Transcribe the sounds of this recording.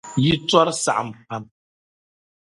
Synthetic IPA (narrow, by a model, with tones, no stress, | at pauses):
ji˦t͡sɔ˦ɾsa̰˨ʔm˨pa˦m